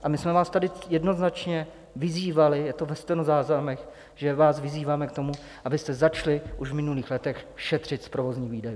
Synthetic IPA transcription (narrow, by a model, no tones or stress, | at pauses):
ʔamɪsmɛvaːst̪adɪjɛdno̞znat͡ʃɲɛ | vɪziːvalɪjɛt̪ovɛst̪ɛnozaːznamɛx | ʒɛvaːsvɪziːvaːmɛk̚t̪o̞mu | ʔabɪst̪ɛzat͡ʃlɪʔuʃvmɪnuliːxlɛt̪ɛxʃɛt̪r̝̥ɪt̪spɾovo̞zɲiːviːdaju